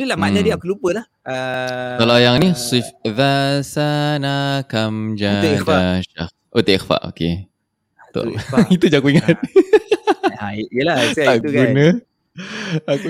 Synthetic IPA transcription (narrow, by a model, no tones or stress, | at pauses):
dulahmanadiakulupəlah | əkalajaŋniswifðasanakamd͡ʒaaʃa̰ | ʔot̪eʔixfa̰ʔo̰ke | t̪o̰it̪ud͡ʒakuiŋat̪̚ | ajəlaat̪uɡɡunə | aku